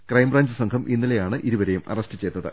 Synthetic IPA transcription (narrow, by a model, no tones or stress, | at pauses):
krɐjmbraːɲd͡ʑɨsɐŋkʰɐmʔinːilejaːɳɨʔiɾuʋɐɾejumʔɐ̰rɐstɨt͡ɕe̞jt̪ːɐðɨ̰